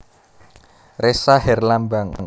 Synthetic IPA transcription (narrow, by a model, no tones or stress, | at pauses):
resaɦɛrlambaŋ